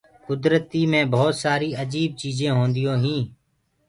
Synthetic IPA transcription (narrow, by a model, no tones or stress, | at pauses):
kʊd̪ɾət̪iːmẽːbʱoːt̪saːɾiːəd͡ʒiːb̚t͡ʃiːzẽːɦõːnd̪ɪjõːɦĩː